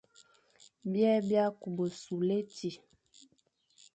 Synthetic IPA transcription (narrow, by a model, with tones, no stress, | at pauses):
bjɛ˦bja˦ku˨bo˨su˨le˦ti˨